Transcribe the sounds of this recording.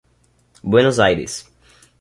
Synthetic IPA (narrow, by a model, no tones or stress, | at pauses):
bwenozajɾɪ̰s